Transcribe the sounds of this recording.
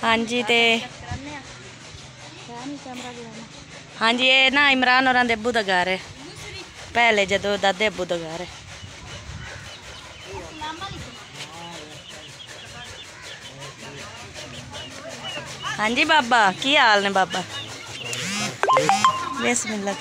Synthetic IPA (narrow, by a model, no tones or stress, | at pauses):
hãːɲd͡ʒiːt̪eː | hãːɲd͡ʒiːeːnãːɪmɾaːnoːɾãːd̪eːəbuːd̪aːɡaɾɛː | pɛːleːd͡ʒəd̪õːd̪ad̪eːəbuːd̪aːɡaɾɛː | hãːɲd͡ʒiːbaːbaːkiːaːlnɛ̃ːbaːbaː | besmɪla